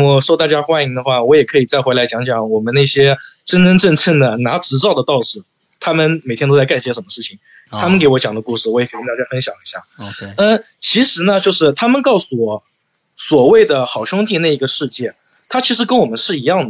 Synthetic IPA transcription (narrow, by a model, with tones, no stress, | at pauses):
wɔ˨˩ʂwɔ˥t̪a˥˩t͡ɕja˥xwa˥ni˧˥ŋd̪ə˧xwa˥˩wɔ˧˥jɛ˨˩kʰɤ˧˥i˨˩t͡sa˥˩ɪxe˧˥la˧˥ɪt͡ɕjɑ˧˥ŋt͡ɕjɑ˧˥˦ŋwɔ˨˩mə˧˦ne˥˩ɪɕjɛ˥ʈ͡ʂə˥nʈ͡ʂə˥nʈ͡ʂə˥˧nt͡sʰə˥˩nd̪ə˩na˧˥ʈ͡ʂɻ̩˧˥t͡sɑ˥˩ʊd̪ə˩t̪ɑ˥˧ʊʂɻ̩˥˩ | t̪ʰa˥mə˨nme˨˩ɪjɛ˥nt̪o˥t͡sa˥˧ka˥˩nɕɛ˥ʂə˧˥nmə˦ʂɻ̩˥˩t͡ɕʰi˨˩ŋ | t̪ʰa˥mə˨nke˧˥ɪwɔ˧˥t͡ɕjɑ˨˩ŋd̪ə˦ku˥˧ʂɻ̩˥˩wɔ˧˥jɛ˨˩ka˧˥˩i˥ŋt̪a˥˩t͡ɕja˥fə˥nɕjɑ˨˩ŋi˧˥ɕja̰˥˩ə˥˧ | t͡ɕʰi˧˥ʂɻ̩˧˥nə˧t͡ɕjo˥˧ʊʂɻ̩˥˩t̪ʰa˥mə˨nkɑ˥˧ʊsu˥˩wɔ˨˩ | swɔ˨˩we˥˩ɪd̪ə˩xɑ˨˩ʊɕʊ˥ŋt̪i˥˧na˥˩ɪi˧˥ɡə˧ʂɻ̩˥˧t͡ɕjɛ˥˩ | t̪ʰa˥t͡ɕʰi˧˥ʂɻ̩˧˥kə˥nwɔ˨˩mə˦nʂɻ̩˥˩i˧˥jɑ˥˩ŋd̪ə˩